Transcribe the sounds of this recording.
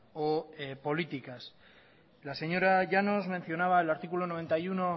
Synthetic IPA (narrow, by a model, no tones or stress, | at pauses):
opo̞lit̪ikas | lase̞ɲo̞ɾaʝano̞zme̞nθjo̞naβ̞aelaɾt̪ikulo̞no̞β̞e̞nt̪ajuno̞